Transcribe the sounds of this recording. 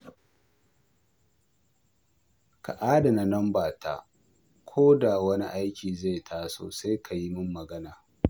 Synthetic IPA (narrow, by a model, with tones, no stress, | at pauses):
ka̰˨ʔaː˦da˨na˨nɐ˦mbaː˨tʰa̰˦˨ | kʷʰoː˦da˨wɐ˦ni˦ʔa˦jkʲiː˨za˦˨jtʰaː˦so̰ː˨sa˦jkʰa˨ji˦mʊ˦mːɐ˨ɡɐ˦naː˨